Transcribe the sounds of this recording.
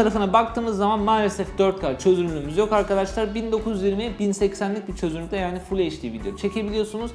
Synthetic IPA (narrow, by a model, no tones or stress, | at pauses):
aɾafɯnabak̚t̪ɯːmɯzːamanmaːlʲesɛfd̪ø̞ɾt̪̚kʰat͡ʃʰø̞zynlʲyːmyzjo̞kaɾkad̪aʃlˠaɾbind̪o̞kʰuzjiɾmiɛbinsɛcsænlʲic̚bit͡ʃʰø̞zynʲyd̪ʲɛjaːnifulʲeiʃlʲijebilʲijot͡ʃʰe̞cʰe̞bilʲijo̞sunuz̥